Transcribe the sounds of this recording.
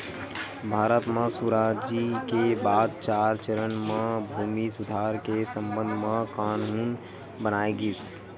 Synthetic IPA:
bʱaːɾət̪mãsuɾaːd͡ʒikebaːd̪̚t͡ʃaːɾt͡ʃəɾənmãbʱuːmisʊd̪ʱaːɾkesə̃mbə̃nd̪ʱmãkaːnɦuːn | bənaːiɡiːs

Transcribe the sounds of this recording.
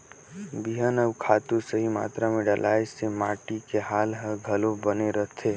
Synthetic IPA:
biɦənəʋkʰaːt̪usəɦima̰ːt̪ɾamẽɖəlʔaːjsemaːʈikeɦaːlɦəɡʱəlobəneɾət̪ʰeː

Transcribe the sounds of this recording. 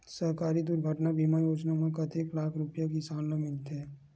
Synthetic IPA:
sɐɦkaːɾid̪ʊɾɡʱəʈnabʱiːmajoːd͡ʒnamãkɐt̪eːklaːkʰɾʊpjakisaːlnamɪlt̪ɦɛː

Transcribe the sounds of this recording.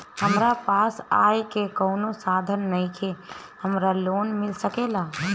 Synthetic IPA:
həmɾapasajkekəʊnosad̪ʱənːəjkʰe | həmɾalonmɪlsəkela

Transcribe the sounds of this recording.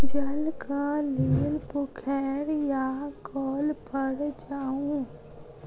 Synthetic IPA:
d͡ʒəlkaleːlpʊkʰɛːɽjakɔːlpəɽd͡ʒaːũː

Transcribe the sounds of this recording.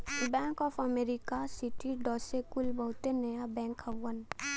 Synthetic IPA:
bɛ̃ːŋkɔːpʰɐmeːɾikasiʈiɖɔːsekʊlbɐɦʊt̪enɐjabɛ̃ːŋkɐwːən

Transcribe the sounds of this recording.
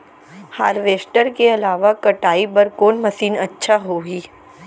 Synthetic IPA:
haːɾʋeːsʈəɾkeɐlaːʋakɐʈaːipɐɾkoːnmɐsiːnɐtːʃʰaɦoːɡiː

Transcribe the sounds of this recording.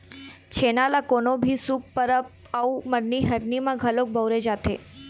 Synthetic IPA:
t͡ʃʰenalakonobʱisuk̚pəɾəp | auməɾniɦəɾnimãɡʱəlok̚bəwɾed͡ʒat̪ʰe

